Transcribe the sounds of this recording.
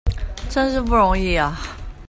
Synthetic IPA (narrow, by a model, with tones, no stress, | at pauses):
ʈ͡ʂə˥nʂɻ̩˥˧p̬u˥˩ɻʊ˧˥ŋi˥˩ɐ˨˩